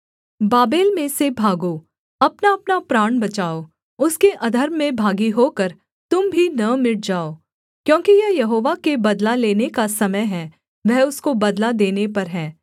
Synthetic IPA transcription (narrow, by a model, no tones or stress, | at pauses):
baːbeːlmẽsebʱaːɡo | ɐpnaɐpnapɾaːɽbɐt͡ʃaːo | ʊskeʔɐd̪ʱəɾmːẽbʱaːɡiɦoːkəɾ | t̪ʊmbʱinɐmɪɽd͡ʒaːoː | kjõːkijɐɦjɐɦoːʋakebɐd̪laleːnekasɐməjɦɛ̃ː | ʋɛɦʊskobɐd̪lad̪eːnepɐɾɦɛ̃ː